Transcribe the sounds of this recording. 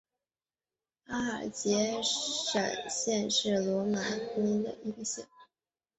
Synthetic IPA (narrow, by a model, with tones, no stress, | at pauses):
a˥ə̰˞˨˩t͡ɕjɛ˧˥ʂə̰˨˩ŋɕjɛ˥˧nʂɻ̩˥˩lwɔ˧˥ma˧˥ni˥ŋd̪ə̰˨ʔi˧˥ɡə˧ɕjɛ˥˩n